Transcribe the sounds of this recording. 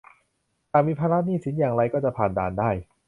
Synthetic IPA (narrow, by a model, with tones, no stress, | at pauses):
t̪aː˨˩miː˧pʰaː˧ɾa˦˥niː˥˩si˩˦njaː˨˩ŋɾa˧jkɔː˥˩t͡ɕa˨˩pʰaː˨˩nda̰ː˨˩ndaː˥˩j